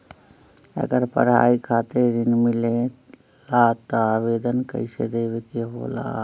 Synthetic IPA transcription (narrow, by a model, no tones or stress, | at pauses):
ɐ̰ɡəɾpə̰ɾɦa̰ːikʰaːt̪eɾɪnmɪle | laːt̪oaːʋeːd̪ənkɐ̰ɪsḛd̪eːʋɪkeɦo̰ːla̰ː